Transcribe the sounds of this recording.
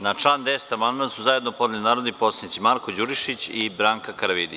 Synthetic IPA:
nat͡ʃlˠaːnd̪est̪amand̪asuzajed̪nopod̪nelinaːɾod̪iposanit̪simaɾkod͡ʑuɾiʃit͡ɕibɾaːŋkakaɾaʋid̪i

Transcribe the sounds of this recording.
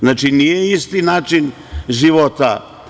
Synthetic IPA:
znaːt͡ʃinijeist̪inaːt͡ʃin | ʒiʋot̪a

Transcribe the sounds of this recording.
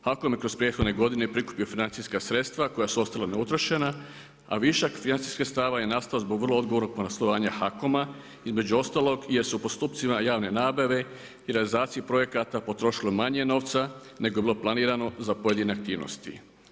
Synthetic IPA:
xakomjekɾo̞spɾje̞t̪xo̞d̪ne̞ɡo̞d̪inepɾikupio̞finant̪iskasɾe̞t̪st̪ʋako̞jasuo̞st̪alaneut̪ɾoʃe̞na | a̰ʋiʃakfinant̪si̥skast̪aʋaje̞nast̪alozboɡʋrlˠood̪ɡooɾno̞ɡ̚ponaslˠoʋaːɲaxako̞ma | izme̞d͡ʑuo̞st̪aːlˠo̞ɡijesupo̞st̪uːpt̪simajaːʋne̞naːbaʋe̞ | iɾealizaːt̪siipɾo̞je̞kat̪apo̞t̪ɾo̞ʃilomaɲe̞no̞ːʋt̪sa | ne̞ɡoebiloplˠaniːɾano̞zapo̞je̞d̪ineak̚t̪iːʋno̰st̪ḭ

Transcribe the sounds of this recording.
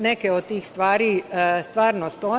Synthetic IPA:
nekeod̪̚t̪iːxst̪ʋaːɾist̪ʋaːɾnost̪oː

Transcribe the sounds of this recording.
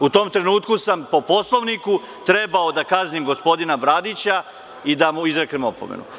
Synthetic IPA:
ut̪o̞ːmt̪ɾe̞nuːt̪kusampo̞po̞slˠo̞ʋniku | t̪ɾe̞baod̪akaznimɡo̞spo̞d̪inabɾad̪it͡ɕa | id̪amuizɾeknemo̞pomḛnṵ

